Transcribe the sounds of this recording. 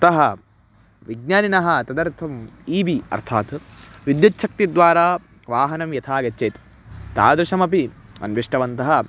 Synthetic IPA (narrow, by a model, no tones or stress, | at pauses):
t̪ɐɦɐ | ʋiɡ̚naːninɐɦɐt̪ɐd̪ɐɾt̪ʰɐmiːʋiɐ̰ɾt̪ʰaːt̪ʋid̪jɐtːʃʰɐk̚t̪id̪ʋaːɾaː | ʋaːɦɐnɐmjɐt̪ʰaːɡɐt͡ʃːeːt̪ | t̪a̰ːd̪ɾɐʂɐmɐpiɐ̰nʋiʂʈɐʋɐnt̪ɐɦɐ